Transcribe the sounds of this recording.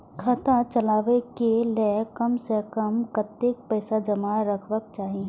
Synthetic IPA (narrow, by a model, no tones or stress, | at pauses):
kʰət̪at͡ʃəlaːʋekelekəmsekəmkət̪ek̚pɛːsad͡ʒəmaːɾəkʰʋək̚t͡ʃaːɦi